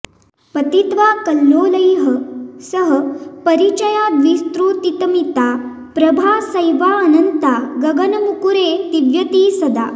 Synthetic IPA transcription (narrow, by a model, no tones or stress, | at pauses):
pɐt̪it̪ʋaːkɐlːoːlɐjɦəsəɦəpɐɾit͡ʃɐjaːd̪ʋist̪ɾuːt̪it̪əmit̪a | pɾɐbʱaːsɐjʋaɐnɐnt̪aɡɐɡɐnɐmukuɾet̪iʋjɐt̪iːsɐd̪a̰ː